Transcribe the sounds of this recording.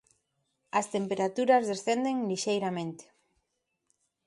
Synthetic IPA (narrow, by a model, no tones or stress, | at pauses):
ɐst̪empeɾat̪uɾɐzðesθend̪eŋliʃejɾamẽnt̪e̥